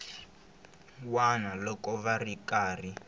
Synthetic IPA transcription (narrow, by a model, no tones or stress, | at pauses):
wanalɔkɔβarikaːri